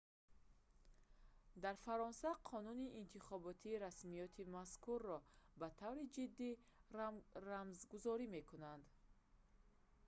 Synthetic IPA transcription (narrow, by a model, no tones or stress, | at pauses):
d̪aɾfaɾɔnsaqʰɔnuniʔːnt̪ʰiχɔbɔt̪ʰiːɾasmijɔt̪ʰimaskuɾːɔbat̪ʰavɾid͡ʒid̪ːi | ɾamzɡuzɔɾime̞kʰunand̪